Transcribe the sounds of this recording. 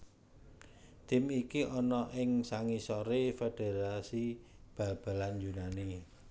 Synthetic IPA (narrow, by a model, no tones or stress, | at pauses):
t̪ɪmikiʔɔnɔʔɪŋsaŋisɔɾefed̥e̤ɾasi | b̥a̤b̥a̤land͡ʒunani